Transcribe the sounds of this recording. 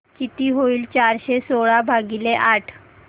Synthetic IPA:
t͡ɕit̪iːɦoiːlt͡ɕaɾɕesoɭabʱaɡileʔaʈʰ

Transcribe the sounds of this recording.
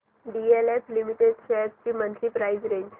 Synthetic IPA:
ɖieleflimiʈeɖɕept͡ɕiːmənkiːpɾaizɾeɲd͡ʑ

